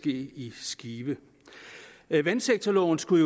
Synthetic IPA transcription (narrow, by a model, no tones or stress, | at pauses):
ɡ̥e̝̰ːisɡ̥iːb̥ə | ʋænseɡ̥̚t͡sʰɐlɒʊ̰n̩sɡ̥ujo